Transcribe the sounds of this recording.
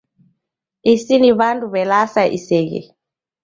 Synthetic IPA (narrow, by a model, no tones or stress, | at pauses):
isiniβanduβɛlasaʔḭseɣɛ̰